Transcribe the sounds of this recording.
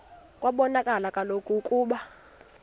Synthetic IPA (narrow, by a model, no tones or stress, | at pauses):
kʼwaɓɔnakʼalakʼalokʼukʼuːɓa